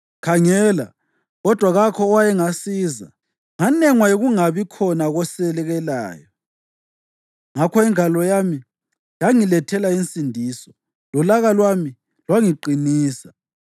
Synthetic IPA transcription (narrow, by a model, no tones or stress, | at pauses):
kʰaŋɛːla̰ | ɣɔd̥ʱwaɣakʰɔːwajɛŋasiːza̰ | ŋanɛŋwajoɣuŋaβikʰɔnaɣɔsɛlɛɣɛla̰ːjɔ | ŋakʰɔɛŋʱalɔjami | jaŋilɛtʰɛlainsʼindʱiːsɔ̥ | lɔlaɣalwami | lwaŋiǃiniːsa